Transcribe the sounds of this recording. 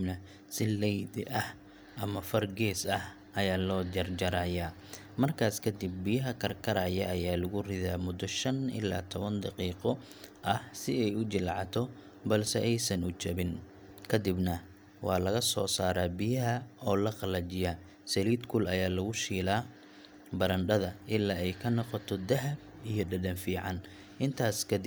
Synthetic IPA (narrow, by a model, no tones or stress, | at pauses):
nɐ | sɪlɛjd̪ʔɐh | ʔɐmɐfɐrɡɛːsɐh | ɐjaːlɔːd͡ʒɐrd͡ʒɐɾaːjaː | mɐrkʰaːskʰɐd̪ɪb̚ːɪjɐɦɐkʰɐrkʰɐɾaːjɐʔɐjaːlɐɣʊrɪðaːmʊd̪ɔʃɐnʔɪ̰lːa̰ːt̪ʰɔβɐnd̪ɑqiːqɔ | ʔɐhsɪɛjʊt͡ʃɪlʕɑt̪ʰɔ | bɐlsɛʔɛjsɐnʊt͡ʃɐβɪn | kʰɐd̪ɪbnɐ | wɑːlɐɣɐsɔːsaːɾaːbɪjɐɦɐɔːlɐqɐlɐt͡ʃɪjaː | sɐliːd̪kʰʊlɐjaːlɐɣʊʃiːlaː | bɐɾɐnɖɐðɐʔɪlːaːɛjkʰɐnɔqɔt̪ʰɔd̪ɐɦɐb̚ | ijɔɖɐdɐnfiːʕɑn | ʔɪnt̪ʰaːskʰɐd̪ɪ